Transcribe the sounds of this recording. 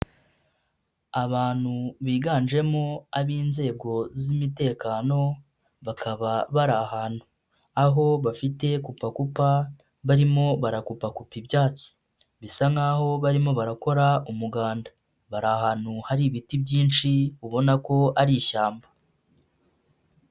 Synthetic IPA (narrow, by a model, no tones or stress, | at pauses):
aβaːn̥huβiːɡaːnʒe̞mo̞aβiːnze̞ːɡo̞zimite̞ːkaːno̞ | βakʰaβaβaɾahaːn̥hu | aɦo̞βafite̞kupakupa | βaɾimo̞βaɾakupakupibjaːt͡si̥ | βisaŋaho̞βaɾimo̞βaɾako̞ɾaumuɡaːnda | βaɾahaːn̥huhaɾiβitibɟiːnʃiuβo̞nako̞aɾiːʃaːmba